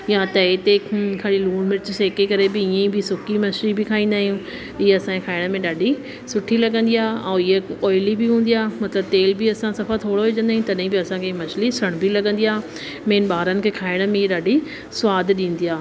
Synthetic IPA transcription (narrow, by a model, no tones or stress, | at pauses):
jãt̪ɐet̪ekʰɐɽiluːɽ̃mɪɾɪt͡ɕseːkekɐɾebɪiẽbʱɪsʊkimɐʃɾibɪkʰaːĩːnd̪aːɦijũː | ɪɦeɐsãkekʰaːɪɽ̃əmẽɗaːɖʱi | sʊʈʰilɐɠə̃nd̪ijaːɛ̃ːɪɦeɔːɪlibɪɦũːn̆d̪ijaːmɐt̪ləb̚t̪eːlbɪɐsãsɐfat̪ʰoːɽoeːd͡ʑə̃nd̪aːɦĩt̪ɐɗɦĩbɪɐsãkʰemɐʃʰlisɐɽ̃bʱɪlɐɠə̃nd̪ijaː | meːnɓaːɾənɪ̆kʰeːkʰaːɪɽ̃mẽɪeɗaːɖʱi | sʊwaːd̪ʱɗĩːn̆d̪iaː